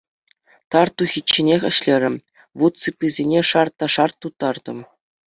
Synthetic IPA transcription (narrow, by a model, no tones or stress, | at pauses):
t̪ɑrt̪uxʲit͡ɕːenʲexʲɘ̆ɕlʲeɾʲɘ̆m | ʋut̪t͡sɯpʲːizʲenʲeʂɑrt̪ːɑʂɑrt̪ːut̪ːɑrd̪ɤ̆m